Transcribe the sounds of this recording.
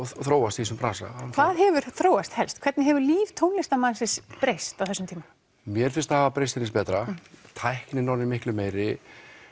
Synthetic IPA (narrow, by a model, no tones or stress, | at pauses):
θɾoːwast̪isʏmpɾaːsa̰kʰvaðɦɛvʏɾ̥θɾoːwast̪hɛlst̪kʰvɛɾt̪nɪɦɛvʏɾliːvt̪ʰownlɛst̪amansɪspɾejst̪awθɛsːʏmt̪ʰiːma | mjɛɾ̥fɪnst̪haːvapɾejst̪ɪnɪspɛːt̪ɾat̪ʰajhknɪnɔwɾnɪmɪhklʏmeːjɾɪ